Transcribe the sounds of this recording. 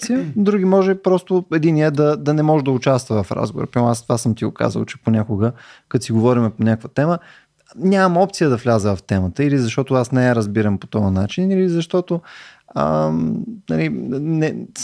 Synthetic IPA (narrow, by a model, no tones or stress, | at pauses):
siəd̪ɾuɡʲimɔʒɛpɾɔst̪ʊɛd̪iniəd̪ɐd̪ɐnɛmɔʒɛd̪ɐʊt͡ʃast̪vɐvɐfɾa̰zɡʊ̰vo̰ɾpɾimɛmast̪ovasəmt̪iɡo̰ka̰zə̰lˠt͡ʃɛ̥ponʲakʊɡəkɐt̪o̥siɡovɔɾimɛponʲakvət̪ɛmə | nʲamɐmɔpt̪sijəd̪ɐflʲazɛvɐft̪ɛmət̪əilizɐʃt̪ɔt̪ʊasnɛɛɾəzbiɾəmpo̥t̪ɔɐnat͡ʃinilizɐʃt̪ɔt̪oə̰mnɐlinɛ